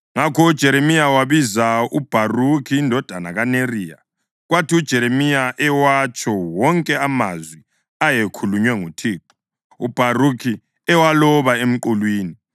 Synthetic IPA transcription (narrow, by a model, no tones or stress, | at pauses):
ŋakʰɔud̥ʒ̥ʱɛɾemijawaβizaub̥ʱarukʰiːndʱɔd̥ʱanaɣaneriːja̰ | ɣwatʰiud̥ʒ̥ʱɛɾemijaʔɛwat͡ʃʼɔwɔŋkʼɛama̰zwi | ajekʰuluɲwɛŋutʰiːǃɔ̥ | ub̥ʱarukʰi | ɛwalɔβaem̩ǃulwiːni